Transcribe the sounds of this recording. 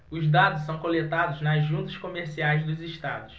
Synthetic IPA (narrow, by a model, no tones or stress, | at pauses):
ʊzd̪ad̪ʊssɐ̃w̃kolet̪ad̪ʊznɐzʒũt̪ɐʃkomeɾsiajzd̪ʊzɪʃt̪a̰d̪ʊs